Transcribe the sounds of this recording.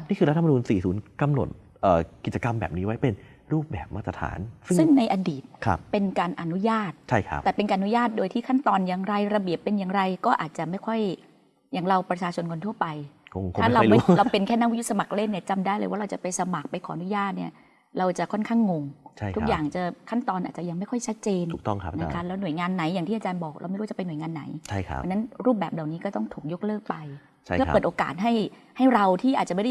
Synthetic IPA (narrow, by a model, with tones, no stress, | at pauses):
niː˥˩kʰɯː˧ɾa˦˥t̪ːʰmː˧nuː˧nsiː˨˩suː˩˦nka˧mno̰˨˩t̪̚ | ʔəː˨˩ki˨˩t͡ɕa˧ka˧mbɛ̰ː˨˩p̚niː˦˥wa˦˥jpe˧n | ɾuː˥˩p̚bɛ̰ː˨˩p̚ma˦˥t̪ɾa˧t̪ʰa̰ː˩˦nsɯ˥sɯ˥˩ŋna˧jʔa˧diː˨˩t̪̚kʰa̰˦˥p̚pe˧nkaː˧nʔa˧nu˦˥jaː˥˩t̪̚t͡ɕʰa˥˩jkʰa̰˦˥p̪̚ɛː˨˩pe˧nkaː˧ʔa˧nu˦˥jaː˥˩t̪̚doː˧jt̪ʰiː˥˩kʰa˥˩nt̪ɔː˧njaː˨˩ŋɾa˧jɾa˧bi˨˩əpːe˧njaː˨˩ŋɾa˧jkɔː˥˩ʔa̰ː˨˩t̪̚t͡ɕa˨˩ma˥˩jkʰɔ˥˩j | jaː˨˩ŋɾa˧wpɾa˧t͡ɕʰaː˧t͡ɕʰo˧nkʰo˧nt̪ʰu˥˩ɐpa˧jo˧ŋtʰaː˥˩ɾa˧ma˥ɾa˧wpe˧nkʰɛː˥˩na˦˥wi˦˥jʰu˥t̪̚sa˧ma˨˩k̚le˥˩nːiː˥˩t͡ɕa˧mdaː˥˩jlɤː˧wa˥˩ɾa˧wt͡ɕa˨˩pa˧jsa˧ma˨˩k̚pa˧jkʰɔː˩˦ʔnu˦˥jaː˥˩t̪̚ni˥˩ɐ | ɾa˧wt͡ɕa˨˩kʰɔ˥˩nkʰaː˥˩ŋːo˧ŋt͡ɕʰt̪ʰu˦˥kkjaː˨˩ŋt͡ɕa˨˩kʰa˥˩nt̪ɔː˧nʔaː˨˩t̚t͡ɕa˨˩ja˧ŋma˥˩jkʰɔ˥˩jt͡ɕʰa˦˥t̪̚t͡ɕeː˧nu˨kt̪ŋʰ˦na˦˥kʰa˦˥lɛː˦˥nu˨˩əjŋaː˧nːa˩˦jːaː˨˩ŋt̪iː˥˩a˧t͡ɕaː˧nbɔː˨˩k̚ɾa̰˧wma˥˩jɾt͡ɕpa˧jnu˩˦ŋaː˧nːa̰˩˦jʰa̰˥˩˦a̰˧na˦˥nɾuː˥˩p̚bɛː˨˩p̚la˨˩wniː˦˥kɔː˥˩t̪ɔ˥˩ŋt̪ʰuː˨˩k̚jo˦˥k̚lɤː˥˩k̚pa˧jʰ | ɯ˥˩pːɤː˨˩t̪ʔoː˧ka̰ː˨˩t̪̚ɦa˥˩j | ha˥˩jɾa˧wt̪ʰiː˥˩ʔa˨˩t̪̚a˨ma˥˩a˥